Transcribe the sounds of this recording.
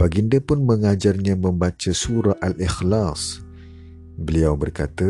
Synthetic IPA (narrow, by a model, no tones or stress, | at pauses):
paɡindəpʊnmə̃ŋad͡ʒarɲãmə̃mbat͡ʃasuɾaʔalixlas | bəliawbərkat̪a